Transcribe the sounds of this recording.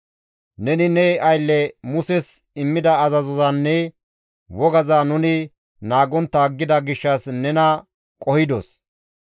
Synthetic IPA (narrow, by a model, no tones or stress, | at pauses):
nɛnɪnɛʔɐjlːɛmʊsɛs | ɪmːɪd̪ɐːzɐzɔzɐnːɛ | wɔɡɐzanʊnɪ | naːɡɔnt̪ːaːɡːɪd̪ɐɡɪʃːɐsnɛnɐ | kʼɔhɪd̪ɔs